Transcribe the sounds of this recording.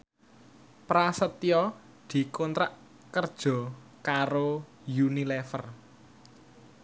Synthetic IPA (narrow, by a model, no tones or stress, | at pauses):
pɾasət̪jɔ | d̪̥i̤kont̪ɾaʔ | kərd̥ʒ̥ɔ̤kaɾo | junilɛfər